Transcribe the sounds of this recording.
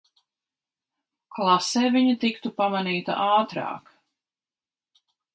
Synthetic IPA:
klˠasɛːvʲiɲit̪ikt̪upamaniːt̪a̰ʔaːt̪ɾɑ̰ːk

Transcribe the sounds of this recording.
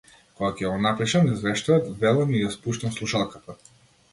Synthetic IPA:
kɔɡakɛɡɔnapɾiʃamnɛzvɛʃt̪aːt̪vɛlˠamijaspuʃt̪amslˠuʃalˠkat̪a

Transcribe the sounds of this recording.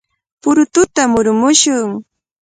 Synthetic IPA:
pʊɾʊt̪ʊt̪amʊɾmʊʃʊŋ

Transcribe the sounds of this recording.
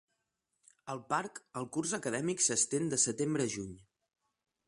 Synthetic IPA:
əlˠpaɾkəlˠkurzəkəðɛmiksəst̪end̪əsət̪embɾəʒuɲ

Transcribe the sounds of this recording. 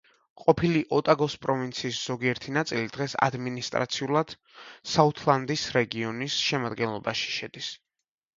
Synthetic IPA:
qʼɔpʰiliʔɔt̪ʼaɡɔspʼɾɔvint̪sʰiːsz̥ɔɡiɛɾt̪ʰinat̪sʼilid̪̥ʁɛsa̰d̪minist̪ʼɾat̪sʰiulˠad̪̥ | saut̪ʰlˠand̪isɾɛɡiɔnisʃɛmad̪ɡɛnlˠɔbaʃi̥ʃɛd̪̥is

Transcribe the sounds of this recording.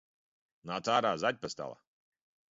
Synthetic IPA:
nat̪aːɾaːzat̪̚ʲpast̪a̰lˠa̰

